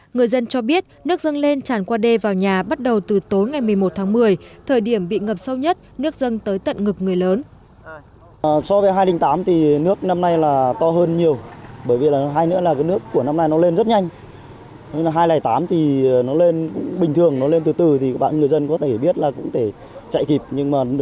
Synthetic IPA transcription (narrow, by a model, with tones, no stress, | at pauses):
ŋɨ˨˩əjzə˧nt͡ɕɔ˧ɓi˦˥ət̚nɨ˦˥ək̚zə˧nle˧nt͡ɕaː˧˩nkwaː˧ɗe˧vaː˨˩wɲaː˨˩ɓa˦˥t̚ɗə˨˩wt̪ɨ˨˩t̪o˨˦jŋa˨˩jmɨ˨˩əjmo˨˩t̚t̪ʰaː˨˦ŋmɨ˨˩əjt̪ʰəː˨˩jɗi˧˩əmɓḭ˧˨ŋə˨˩p̚sə˧wɲə˦˥t̚nɨ˦˥ək̚zə˧nt̪əː˨˦jt̪ə̰˧˨nŋɨ˨˩k̚ŋɨ˨˩əjləː˨˦n | sɔ˧vəː˨˦jɦaː˧jlï˧˩ŋ̟t̪aː˨˦mt̪ʰi˨˩nɨ˦˥ək̚na˧mna˧jlaː˨˩t̪ɔ˧ɦəː˧nɲi˨˩əwɓəː˧˩jvi˨˩laː˨˩˨ɦaː˧jnɨ̰˧˥əlaː˨˩kaː˨˦nɨ˦˥əkːu˧˩əna˧mna˧jnɔ˨˦le˧nzə˦˥t̚ɲa˧jŋ̟ | ɲ˧laː˨˩ɦaː˧jlaː˨˩jt̪aː˨˦mt̪ʰi˨˩˨nɔ˨˦le˧nkʊ̰˧˥ŋ͡mɓï˨˩ŋ̟t̪ʰɨ˨˩əŋnɔ˨˦le˧nt̪ɨ˨˩t̪ɨ˨˩t̪ʰi˨˩ɓa̰ː˧˨nŋ˨˩əjzə˧nkɔ˨˦t̪ʰe˧˩ɓi˦˥ət̚laː˨˩kʊ̰˧˥ŋ͡mt̪ʰe˧˩ | t͡ɕa̰˧˨jki˨˩p̚ɲɨ˧ŋmaː˨˩